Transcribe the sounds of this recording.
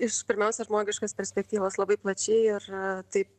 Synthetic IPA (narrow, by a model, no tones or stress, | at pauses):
ɪʃpʲɪɾʲmʲɛʊsʲɛʒmoːɡʲɪʃkɐspʲɛɾʲsʲpʲɛk̚t̪ʲiːʋoːslˠɐbɐɪplˠɐt͡ʃʲɛɪɪrt̪ɐɪp̚